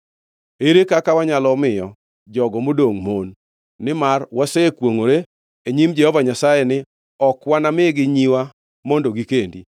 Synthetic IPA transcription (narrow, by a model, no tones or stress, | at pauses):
eɾekakawaɲalɔmɪjɔ | d͡ʒɔɡɔmodoŋmonː | ɪmarwasekwoŋoɾe | eɲimd͡ʒɛhɔvaɲasajɛnɪ | ɔkwanamɪɡɪɲiwa | mondoɡikendḭ